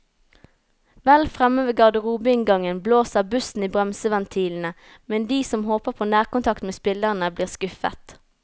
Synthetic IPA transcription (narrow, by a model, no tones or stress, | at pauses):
ʋɛlfʁɛməʋeːɡɑʁd̪əʁuːbəɪŋɡɑŋənbloːsəbʉsn̩iːbʁɛmsəʋɛnt̪ʰiːln̩ə | mɛnd̪iːsɔmhoːpəʁpʰoːnæːʁkʊnt̪ʰɑkt̪meːspɪləʁənəbliːʁskʉfə̰t̪